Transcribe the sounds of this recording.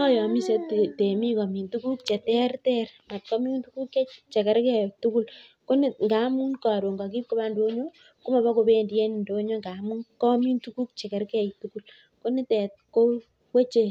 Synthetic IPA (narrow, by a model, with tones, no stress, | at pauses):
ɔ˦jɔ˨mi˦se˦tte˨mi˦ka˨mi˨ntu˦ku˦k̚t͡ʃɛ˨tɛ˦rtɛ˦ɾma˨t̚kɔ˦miu˦ntu˦ku˦ke˦t͡ʃe˨kɛ˨ɾkɛ˦˨tu˦ku˦l | ko˦ni˦ŋɡa˨˦mu˦nka˨ɾo˨ŋɡa˨k̬i˦p̚ko˦ba˦ndo˦ɲo˦ | ko˦ma˨ba˦ko˧be˦ndje˦n˨ndo˦ɲo˦ŋɡa˨mu˦nkɔ˦mi˦ntuku˦k̚t͡ʃɛ˨kɛ˨ɾkɛ˦˨jtu˦ku˦l | ko˦ni˦tɛ˨t̚ko˦ | we˦t͡ʃe˨